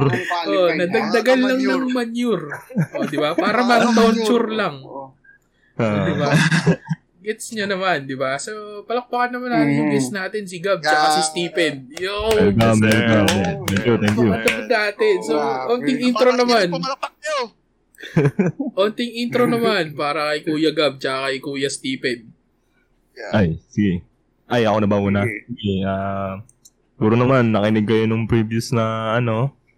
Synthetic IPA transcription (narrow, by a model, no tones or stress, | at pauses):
ʔonɐd̪ɐɡ̚d̪ɐɡɐnːɐŋnɐŋmɐnjʊɾʔod̪ɪbapaːɾɐmɐŋd̪awnt͡ʃuɾlɐŋ | d̪ɪba | ɡɛt̪sɲɐnɐmand̪ɪbasɐpɐlɐk̚pɐkɐnːɐmanɐʊɡɛsnaːt̪ɛnsɪɡab̚sɐɐsist̪iːpɛnjoʔɡamɛɡat̪ɛŋkjut̪ɛŋkjʊɐt̪ɐpɐd̪aːt̪ɛsoʔoːnt̪ɪŋʔint̪ɾonɐman | ʔoːnt̪ɪŋint̪ɾonɐmanpaːɾɐkɐjkuːjɐɡab̚t͡ʃɐkakɐjkuːjɐst̪iːpɛd̪̚ | ʔajsɪɡɛ | ʔajɐkonɐbawʊnasɪɡɛaː | ɡuːɾonɐmanːɐkɪnɪɡ̚kɐjonʊŋpɾiːbjʊsnɐɐno̞